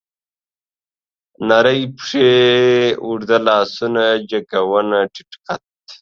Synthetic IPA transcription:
nɐɾɐjpʂe | uɽd̪ɐlaːsunad͡ʑɐkɐwɐnɐʈʰi̥ʈkɐt̪̚

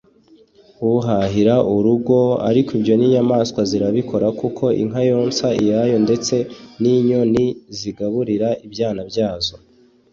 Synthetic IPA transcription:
uɦaɦiɾaʔuɾuɡo̞a̰ɾikibjo̞niɲamaːskwaziɾaβiko̞ɾakukʰo̞ʔḭŋ̥ɦajo̞ːnsaijajo̞nde̞t͡se̞niɲo̞niziɡaβuɾiɾaibjaːnabjaːzo̞

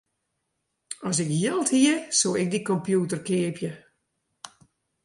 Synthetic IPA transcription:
ɔs̬ɪkjilˠthiəsoːɪk̚dikɔmpjutərkɪəpjə

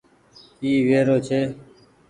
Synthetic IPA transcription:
iːʋeːɾoːt͡ʃʰeː

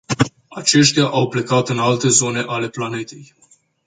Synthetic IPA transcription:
at͡ʃe̞ʃt̪eaʔawple̞kat̪ɨnalt̪e̞zo̞ne̞ʔale̞plane̞t̪e̞j

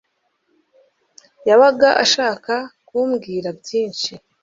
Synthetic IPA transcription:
jaβaɡaʔaʃaːkakuːmɡiːɾabɟiːnʃi

